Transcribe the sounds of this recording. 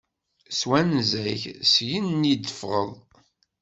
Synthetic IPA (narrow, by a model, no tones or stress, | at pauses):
swænzæçsjənːid̪əfʁə̰ðˤ